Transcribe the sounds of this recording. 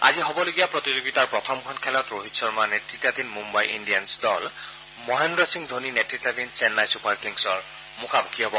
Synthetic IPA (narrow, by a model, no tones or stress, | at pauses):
a̰ziɦobɔloɡijapɹɔt̪izoɡitaɹpɹɔt̪ʰɔmkʰɔnkʰɛlɔtɹoɦitsɔɹmanetitad̪inmumbajʔḭndijansdɔl | mɔɦendɹɔsiŋd̪ʱoninetɹitad̪insɛnlajsupaɹkliŋsɔɹ | mukʰabukʰiɦɔbɔ